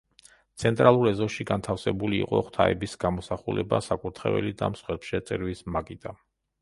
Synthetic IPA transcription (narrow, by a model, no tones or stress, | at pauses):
t̪sʰɛnt̪ʼɾalˠuɾɛzɔʃiɡant̪ʰafsɛbuliːqʼɔχt̪ʰaɛ̰bisɡ̥amɔsaχulɛba̰sakʼuɾt̪ʰχɛ̰vɛ̰lid̪amsχwɛpʃɛt̪sʼɛɾvismakʼid̪ʼa